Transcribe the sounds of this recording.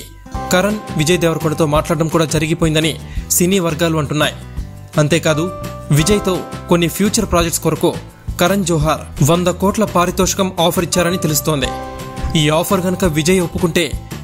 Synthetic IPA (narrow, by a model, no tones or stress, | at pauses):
kɐɾɐnʋid͡ʒɐjɐd̪ɛːʋɾɐkuɽɐt̪o̞ːmaːʈlaːɽɐɖɐmkuːɽaːd͡ʒɐɾiɡipoːjind̪ɐni | sinːiːʋɐɾɡaːluɐɳʈunːaːji | ɐnt̪e̞ːkaːd̪u | ʋid͡ʒɐjɐt̪o̞ːkonːipʰjuːt͡ʃɐɾpɾaːd͡ʒekʈskoɾɐko̞ː | kɐɾɐnd͡ʒɔːɦaːɾʋond̪ɐkoːʈlɐpaːɾit̪ɔːʂɐ̥kɐmaːpʰɐɾit͡ʃːaːɾɐnit̪e̞lus̬t̪o̞ːnd̪ḭiːaːpʰɐɾɡɐnukɐʋid͡ʒɐjopːukuɳʈe̞ː